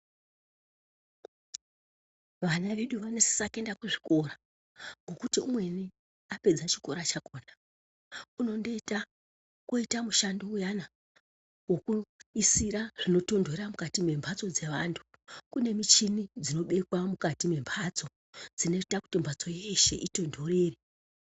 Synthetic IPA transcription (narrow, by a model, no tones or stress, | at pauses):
ʋanaʋe̞ɗuʋanesi̥sake̞ndakweʐi̥ko̞ɾa | ŋɡo̞kutiumwe̞ni | ape̞d͡zat͡ʃi̥ko̞ɾat͡ʃakoːna | uno̞ndeita | koitamuʃandoujana | wo̞kuisiɾaʐ̥ino̞to̞ndʱoramukatime̞mbʱat͡so̞d͡ze̞ʋantʰu̥ | kune̞mit͡ʃinid͡zino̞ɓe̞kwamukatime̞mbʰʱat͡so̞ | d͡zine̞itaku̥timbʱat͡so̞jeʃe̞̰ʔito̞ndʱo̞ɾeːre